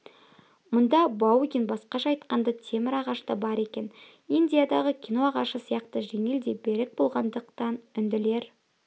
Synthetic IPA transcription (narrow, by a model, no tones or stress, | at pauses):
mʊnd̪ɑbɑwɡʲinbɑsqɑʃɑːjt̪qɑnd̪ət̪ʰe̞mɪɾɑʁɑʃt̪ɑbɑɾe̞kʲe̞n | ind̪ʲijad̪ɑʁəkʲʰijno̞ɑʁɑʃəsijɑqt̪əʒe̞ŋe̞ld̪e̞be̞ɾɪk̚bo̞lˠʁɑnd̪əqt̪ɑnʏnd̪ɪle̞ɾ